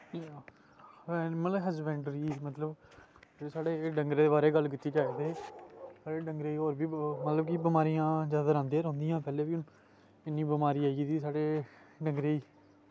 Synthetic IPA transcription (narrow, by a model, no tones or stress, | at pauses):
mət̪ləbɦəzbɛ̃ːɳɖɾiːmət̪ləb | saːɽeːɖəŋɡɾeːd̪eːbaːɾeːɡəlkɪt̪ːiːd͡ʒaːeːt̪eːsaːɽeːɖəŋɡɾeːiːɦoːɾbiːmət̪ləbkibɪmaːɾiːãːzjaːd̪aːɾãːnd̪eːɾõːnd̪ijãːpɛːleːbiːʊn | ɪnːĩːbɪmaːɾiːaːit̪iːsaːɽeː | ɖə̃ŋɡɾeːiː